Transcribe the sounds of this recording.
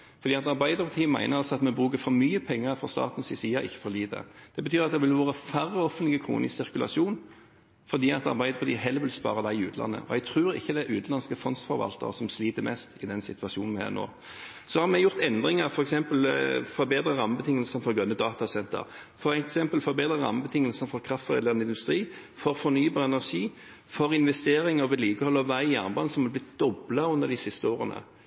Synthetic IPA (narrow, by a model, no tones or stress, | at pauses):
fɔʁd̪iːɑt̪ɑʁbæɪd̪əɾpʰɑt̪ʰiːəmæ̰ɪnəɾɑlsɔɑt̪mɛbʁʉːkəfɔɾmyːəpʰɛŋːəfɾɔst̪ɑ̰ːt̪n̩sɪsiːɑʔɪçːə̥fɔɾliːd̪ə̰d̪̥ɛbət̪ʰyːɾɑt̪̚d̪ɛʋɪlʋoːʁəfæɾːəɔfənlɪɡəkʰɾṵːnɪ̰ssɪɾkʉlɑ̰suːn | fɔʁd̪iːɑt̪ɑ̰ʁbæɪd̪əpʰɑt̪iːɦɛlːəʋɪlspɑ̰ːɾəd̪æɪʉːt̪lʔɑ̰nːə̰ʔɔ̰ɛɡ̚t̪ʰɾʉːɾɪ̰çːəd̪æʔʉːt̪nɑnskəfɔnst̪fɔɾʋɑ̰lt̪ə̰ʁəsɔmsliːt̪əmɛst̪ɪd̪ɛnsɪt̪ʉɑʃuːnʋhɛ̰ʁno̰ː | sɔhɑɾmɛjʊʁt̪ɛnd̪ɾɪŋəɾfɔɾɛksɛmpəlfɔɾbeːd̪ɾəʁɑmːəbət̪ʰɪŋːəlsənfɔɾɡœnːəd̪ɑːt̪ɑsɛnt̪ə̰ʁ | fɔɾɛksɛmpəlfɔɾbeːd̪ɾʁəʁɑ̰məbət̪ʰɪŋːəlsənfɔʁkʰɾɑft̪ʁɛ̰d̪ɑnɪnd̪ʉst̪ɾiː | fɔɾfɔɾnyːbɑːʁɛnæʁʂiː | fɔɾɪnʋɛst̪eːɾɪŋəʋɪliːkəhɔlːəʋæɪjæʁnbɑnsɔmʋɪlblɪt̪̚d̪̥ɔblɑʉnd̪əʁd̪ɪsɪst̪əoːʁənə̰